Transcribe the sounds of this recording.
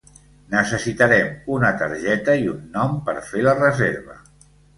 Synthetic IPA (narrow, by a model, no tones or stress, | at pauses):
nəsəsit̪əɾɛmunət̪ə̰ɾʒɛt̪əiunːɔmpə̰ɾfelərəzeɾβə̰